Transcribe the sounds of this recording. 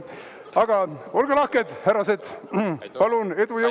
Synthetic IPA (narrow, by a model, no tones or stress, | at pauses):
ɑɡ̥ɑo̞lɡ̥ɑlɑhkːed̪̥hæɾɑset̪pɑlune̞d̪ujɤ